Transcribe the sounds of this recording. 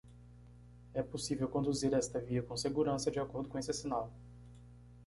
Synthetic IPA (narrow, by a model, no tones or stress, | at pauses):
ɛposivewkõnd̪uziɾɛst̪ɐviɐkõseɡuɾɐ̃sɐd͡ʒɪakoɾd̪ʊkõesɐsinaw